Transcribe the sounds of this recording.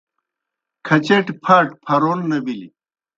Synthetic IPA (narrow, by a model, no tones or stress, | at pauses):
kʰɐt͡ɕeʈpʰaʈpʰɐɾoːnːɐbili